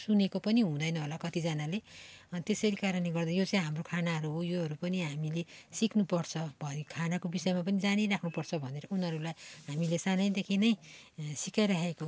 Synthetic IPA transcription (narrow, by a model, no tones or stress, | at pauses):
sunekopʌniɦũd̪ʌjnʌɦolakʌt̪id͡zʌnalet̪esʌɾikaɾʌnleɡʌrd̪ajot͡sʌĩɦamrokʰanaɦʌɾuɦojoɦʌɾupʌniɦamilesiknupʌrt͡sʰʌbʱʌikʰanakobisʌjmap̬ʌnid͡zaniɾakʰnupʌrt͡sʰʌbʱʌneɾʌunɦʌɾulajɦamilesanʌjd̪ekʰinʌjsikajɾʌɦeko